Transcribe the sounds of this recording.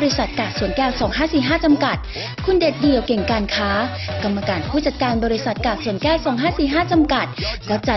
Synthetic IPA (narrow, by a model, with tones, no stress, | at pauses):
ɾi˦˥sa˨˩t̪̚kaː˨˩k̚su˩ənkɛː˥˩wsɔː˩˦ŋɦaː˥˩siː˨˩ɦaː˥˩t͡ɕa˧mka˨˩t̪̚ | kʰu˧nde˨˩t̪̚di˧əwke˨˩ŋkaː˧nkʰaː˦˥ | ka˧mːa˧kaː˧npʰuː˥˩t͡ɕa˨˩t̪̚kaː˧nbɔː˧ɾi˦˥sa˨˩t̪̚kaː˨˩k̚su˩ənkɛː˥˩wsɔː˩˦ŋɦaː˥˩siː˨˩ɦaː˥˩t͡ɕa˧mka˨˩t̪̚lɛː˦˥wt͡ɕa˨˩